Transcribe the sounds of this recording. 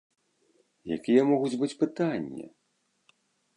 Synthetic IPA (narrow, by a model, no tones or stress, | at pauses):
ja̰kʲijɛmɔɣut͡sʲbɨt͡sʲpɨt̪anʲːɐ̰